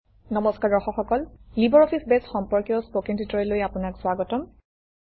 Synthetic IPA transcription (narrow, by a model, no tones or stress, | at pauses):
nɔmɔskaɹdɔxɔxɔkɔllibɔɹɔpʰisbɛsxɔmpɔɹkjɔspokintʰitɹɔɔlojapʊnaksʊwaɡɔtɔm